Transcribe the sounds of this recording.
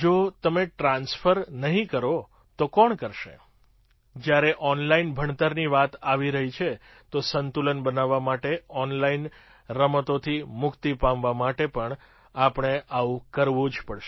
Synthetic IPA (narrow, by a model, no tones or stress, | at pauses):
d͡ʒot̪əmeʈɾãnsfəɾnəɦĩkəɾo | t̪okɔɳkəɾʃḛ | d͡ʒjaɾeʔɔnlainbʱəɳt̪əɾniʋat̪aʋiɾəɦit͡ʃʰe | t̪osənt̪ulənbənaʋːamaʈeɔnlain | ɾəmət̪ot̪ʰimʊkt̪ipãmʋamaʈepəɳ | apɳ̃eʔaũkəɾʋũd͡ʒpəɽʃe